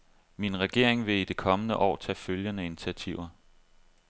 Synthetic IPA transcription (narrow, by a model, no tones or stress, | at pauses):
minʁɛɡ̥e̝ɐ̰eŋʋe̝id̥e̝kʰɒ̽mənəʔɒ̰ːt͡sʰɛ̰ːføljənəinit͡sʰiæt͡sʰiʊ̰ɐ